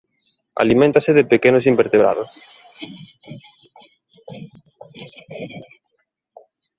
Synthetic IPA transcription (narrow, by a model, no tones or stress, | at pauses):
a̰limẽnt̪asɪðɪpekenʊs̬imbeɾt̪eβɾa̰ðʊs